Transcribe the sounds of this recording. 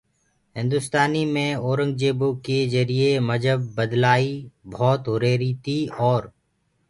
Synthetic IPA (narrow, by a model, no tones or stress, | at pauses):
ɦɪ̃nd̪ʊst̪aːniːmẽːɔːɾə̃ŋɡ̚d͡ʒeːboːkezəɾieməd͡ʒəbːəd̪laːibʱɔːt̪ɦʊɾeːɾiːt̪iːɔːɾ